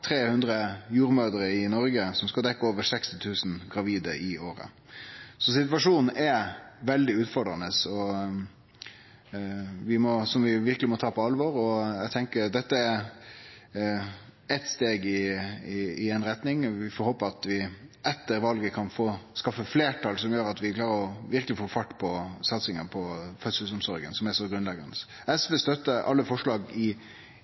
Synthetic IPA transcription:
t̪ʰɾeːhʉnd̪ɾəjuːɾmøːd̪əɾəɪnɔɾɡəsɔmskɑld̪ɛkːəoːʋəɾsɛkst̪ɪt̪ʰʉːsn̩ɡɾɑʋiːd̪əʔɪoːɾə̰ | sɔsɪt̪ʋɑʂuːnn̩ʔɛɾʋɛld̪ɪʉːt̪fɔɖɾɑnəsɔ | ʋɪmɔsɔmʋɪʋɪɾkəlɪmɔt̪ʰɑːpʰɔɑlʋɔɾɔɛɡt̪ʰɛŋkəɾd̪ɛt̪ːəæɾ | ɛt̪st̪eːɡɪɪɪɛɪnɾɛt̪nɪŋʋɪfɔɾhoːpəɾɑt̪ʋɪɛt̪ːəɾʋɑlɡəkʰɑnfoːskɑfːəfleːʈʰɑlsɔmjøːɾɑt̪ʋɪkʰlɑːɾəɾɔʋɪɾkəlɪfoːfɑʈːpʰɔsɑt̪sɪŋəpʰɔfœt̪səlsɔmsɔɾɡə̰nsɔmɛsɔɡɾʉnlɛɡɑnd̪əs | ɛsʋɛst̪œt̪ːəɑ̰lːəfɔʂlɑːɡɪ

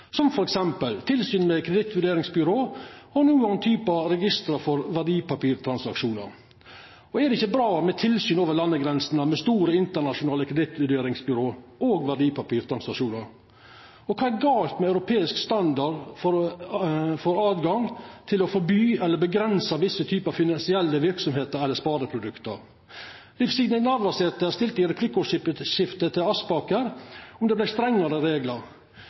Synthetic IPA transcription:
sɔmfɔɾɛksɛmpəlt̪ʰɪlsyːnmɛkʰɾɛd̪ɪt̪ʋʉɖeːɾɪŋsbʏɾoːhɑɾnuːənt̪ʰyːpəɑɾɛɡɪst̪ɾɑfɔɾʋæɖiːpɑpiːɾt̪ʰɾɑnsɑkʂuːnə̰ɾ | ɔɛd̪ɛɪçːəbɾɑːmɛt̪ʰɪlsyːnoːʋəɾlɑnːəɡɾɛnsənəmɛst̪uːɾəɪnt̪əɳɑʂʊnɑːləkʰɾɛd̪ɪt̪ʋʉɖeːɾɪŋsbʏɾoːʔoːɡʋæɖiːpʰɑpiːɾt̪ʰɾɑnsɑʂuːnɑɾ | ɔkʰɑːæɾɡɑːlt̪mɛɑʉɾʊpʰeːɪskst̪ɑnd̪ɑɖfɔɾ | fɔɾɑːd̪ɡɑŋt̪ʰɪlɔfɔɾbyːɛlːəbəɡɾɛnsɑʋɪsːət̪ʰyːpəɑfɪnɑnsɪɛlːəʋɪɾksɔmheːt̪əɾɛlːəspɑːd̪əpʰɾʊd̪ʉkt̪əɾ | lɪfsiɡnənɑɾʋɑseːt̪əæst̪ɪlt̪əɪɾɛpʰlɪkʊʂɪpʃɪft̪ət̪ʰɪlɑspɑːkəɾɔmd̪ɛblæɪst̪ɾɛŋːəɾəɾeːɡləɾ

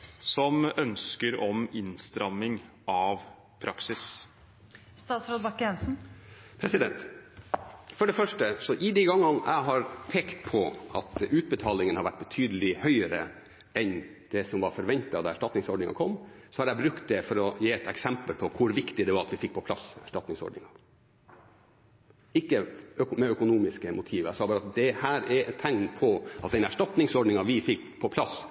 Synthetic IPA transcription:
sɔmœnskəɾɔmɪnst̪ɾɑmːɪŋ | ʔɑʋ | pʰɾʔɑksɪs | st̪ɑːt̪sɾoːd̪ʋɑkːəɛnsn̩pʰɾɛsɪd̪ɛnt̪ | fɔɖɛfœʂʈəsɔʔɪd̪iɡɑŋːɑnæ̰ɪɦɑɾpʰeːkt̪pʰɔʔɑ̰t̪ʉːt̪̚bət̪ʰɑːlɪŋənhɑɾʋæʈ̚ːbət̪ʰyːd̪əlɪhœʏəɾə̰ | ɛn | d̪̥ɛsɔmʋɑɾfɔɾʋɛnt̪əɑʋd̪ɑæʂʈɑt̪nɪŋsɔɖnɪŋɑ̰kʰɔmːsɔhɑɾæɪbɾʉkt̪̚d̪ɛfɔɾɔjeːɛt̪ɛksɛmpəlpʰɔkʰʊɾʋɪkt̪ɪd̪ɛʋɑɾɑt̪ʋɪfɪkːpʰɔpʰlɑ̰sæ̰ʂʈɑt̪nɪŋsɔ̰ɖnɪ̰ŋɑ | ɪkːəœkmɛœkʊnuːmɪskəmʔʊt̪ʰiːʋəæɪsɑːbɑːɾɑt̪d̪ɛhæːɾɛɛt̪ʰːæŋnpʰɔʔɑt̪̚d̪ɛnæʂʈɑt̪nɪŋsɔɖɳɪŋɑʋɪfɪkːpʰɔpʰlɑs

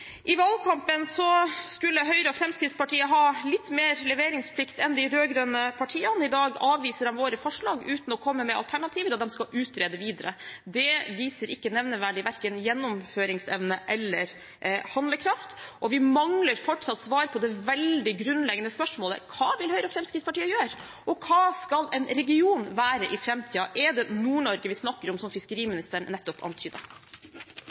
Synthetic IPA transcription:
ʔɪʋɑlkʰɑmpənsɔskʉlːəɦœʏɾəɔfɾɛmskɾɪt̪spɑʈiːəɦɑːlɪt̪ːmeːɾlɛʋeːɾɪŋspʰlɪkt̪ɛnd̪æɪɦøːɡɾœnəpʰɑʈʰiːənɪd̪ɑːɡɑːʋʋiːsəd̪ɛmʋoːɾəfɔʂɭɑːɡʉːt̪nɔkʰɔmːəmɛɑ̰lt̪ʰæɳɑt̪ʰiːʋəɾɔd̪ɛmskɑʉːt̪ɾeːd̪əʋiːd̪əɾə̰d̪ɛʋiːsəɾɪkːənɛʋnəʋæɖɪʋæɾkənjɛnːʊmføːɾɪŋsɛʋnəʔɛlːəɾ | hɑnd̪ləkʰɾɑft̪ʔɔʋɪmɑŋləɾfɔʈʂɑt̪ːsʋɑːɾpʰɔd̪ɛʋɛld̪ɪɡɾʉnlɛɡənəspœʂmoːlə̰kʰɑːʋɪlhœʏɾɔfɾɛmskɾɪt̪spɑʈiːəjøːɾ | ʔɔkʰɑːskɑlɛnɾɛɡɪuːnʋæːɾəʔɪfɾɛmt̪ʰiːɑʔɛd̪ɛnuːɳɔɾɡəʋɪsnɑkːəɾɔmsɔmfɪskəɾiːmɪnɪst̪əɳːɛt̪ːɔpʰɑ̰nt̪ʰyːd̪ə̰

